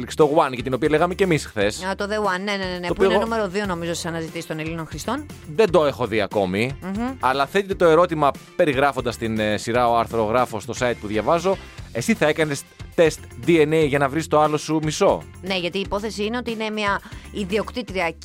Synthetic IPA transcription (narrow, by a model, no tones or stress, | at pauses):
liksi̥t̪oɣwɐnʝɐt̪ino̞piɐleɣɐme̞ce̞misxθe̞sɐt̪oðeɣwɐnːeneneneopuiionenume̞ɾoðio̞no̞mizosisɐnɐzit̪isist̪o̞nelino̞nxɾist̪o̞nðe̞nd̪o̞e̞xo̞ðiɐ̰ko̞miɐlɐθe̞t̪it̪e̞t̪o̞e̞ɾo̞t̪imɐpe̞ɾiɣɾɐfo̞nd̪ɐst̪insiɾɐo̞ɐɾθɾo̞ɣɾɐfo̞st̪o̞sɐjt̪̚puðʝɐvɐzo̞e̞siθɐe̞kɐne̞st̪e̞st̪d̪ienejʝɐnɐvɾist̪o̞ɐlo̞sumiso̞ | ne̞ʝɐt̪iːpo̞θesiine̞o̞t̪iine̞miɐiðio̞kt̪it̪ɾiɐ